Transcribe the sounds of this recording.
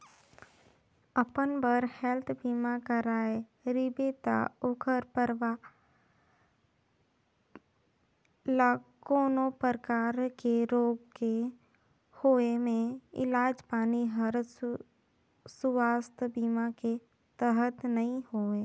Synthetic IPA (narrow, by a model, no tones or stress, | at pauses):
əpənbəɾhɛlt̪ʰbiːmakəɾaːeɾɪbet̪a̰ʊkʰəɾpəɾʋa | lakoːnopəɾkaːɾkeɾoːɡke | hoːemẽɪ̰laːd͡ʒpaːniɦəɾ | sʊwaːst̪ʰbiːmake | t̪əɦət̪nəɦĩhoːe